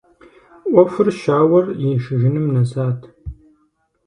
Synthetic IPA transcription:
ʔʷɔfɨrʃaːwɐrjɪʃɪʒɪnɨmnɐzaːtʰ

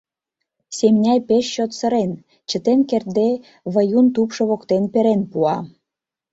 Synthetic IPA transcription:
semnʲæjpeʃːot̪sə̆ɾen | t͡ɕə̆t̪enkert̪̚d̪e | βəjunt̪upʃɤ̆βokt̪enpeɾenpuɑ

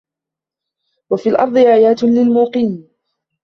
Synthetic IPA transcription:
wafiːlʔɑ̰ɾˤd̪ˤɨʔaːjaːt̪nlɪlmuːqiːn

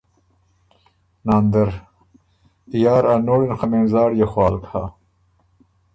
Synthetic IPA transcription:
naːnd̪ɐɾ | jaːɾanoːɽinxameːnzaːɽjexwɑːlkʰa̰ː

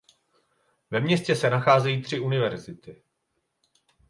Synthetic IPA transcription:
vɛmɲɛscɛsɛnaxaːzɛjiːt̪r̝̥ɪʔunɪvɛɾzɪt̪ɪ

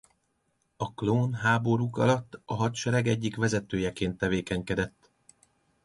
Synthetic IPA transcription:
ɒkloːnɦaːbo̞ɾukɒ̰lɒt̪ːɒɦɒt̪ʃɛɾɛɡɛɟːikʋɛzɛt̪øːjɛkeːnt̪ːɛveːkɛɲkɛd̪ɛt̪ː

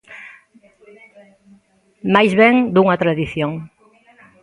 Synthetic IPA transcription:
majzβeŋd̪uŋɐt̪ɾaðiθjoŋ

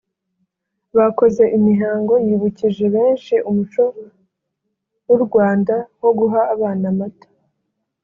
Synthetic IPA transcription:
βako̞ze̞ʔimiɦaːŋɡo̞jiːβuciʒe̞βe̞ːnʃiʔumut͡ʃo̞ | wuɾɡwaːndaho̞ɡuɦaːβaːnamatḁ

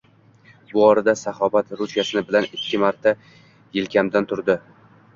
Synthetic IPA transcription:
bʊɒɾad̪asaχɒbat̪ɾusjasɪnɪbɪlanɪkʲʰːɪmaɾt̪ʰa | jɪlkʲʰamd̪ant̪ʰʊɾd̪ɪ

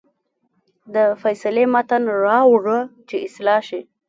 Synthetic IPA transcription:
d̪əfajsalemat̪anɾɑwʐət͡ʃeɪslɑʃi

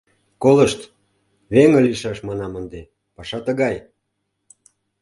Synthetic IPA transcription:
koləʃt̪ | βeŋə̆liʃɑʃmɑnɑmənd̪e | pɑʃɑt̪ə̆ɣɑj

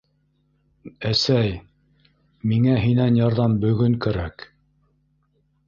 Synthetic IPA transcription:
æsæj | miŋæɦinænjɑɾðɑmbɵ̆ɡɵŋkæɾæk

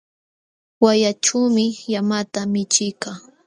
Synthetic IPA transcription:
wajaʈ͡ʂuwmɪjamat̪amɪt͡ʃɪjkaː

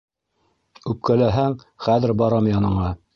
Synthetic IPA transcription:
ʉp̚kælæɦæŋ | χæðɘɾbɑɾɑmjɑnɤ̆ɴɑ

